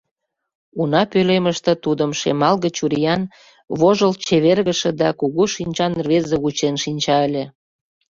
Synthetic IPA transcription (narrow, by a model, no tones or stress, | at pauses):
unɑpøleməʃt̪ə̆t̪ud̪əmʃḛmɑlɣət͡ɕuɾijɑn | βoʒəlt͡ɕeβerɣəʃĕd̪ɑkuɣuʃinʲt͡ɕɑnrβezeut͡ɕenʃinʲt͡ɕɑəlʲĕ